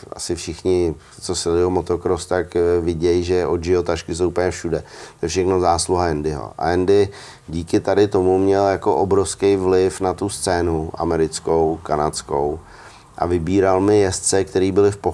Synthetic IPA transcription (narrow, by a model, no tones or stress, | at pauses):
ʔa̰sɪfʃɪxɲɪ | t͡sosɛɪomot̪okɾost̪akvɪɟɛjʒɛʔod̪d͡ʒɪot̪aʃkɪsowupəɲɛfʃudɛt̪ojɛfʃɛxno̞zaːsluɦajɛndɪɦo̰ʔa̰jɛndɪ | ɟiːkɪt̪adɪt̪o̞mumɲɛljako̞ʔobɾofskejvlɪfnat̪ust͡sɛːnuʔa̰mɛɾɪt͡sko̞wkanat͡sko̞̰w | ʔa̰vɪbiːɾalmɪjɛst͡sɛk̚t̪ɛɾiːbɪlɪfpo